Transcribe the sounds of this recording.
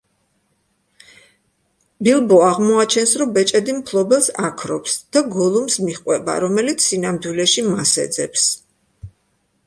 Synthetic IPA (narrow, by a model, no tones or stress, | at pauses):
bilˠbɔaʁmɔat͡ʃʰɛnsɾɔmbɛt͡ʃʼɛd̪impʰlˠɔbɛlˠsakʰɾɔpsd̪̥aɡɔlˠumsmiχqʼwɛba̰ɾɔmɛlit̪sʰːinamd̪wilɛʃimasɛ̰d̪zɛ̰ps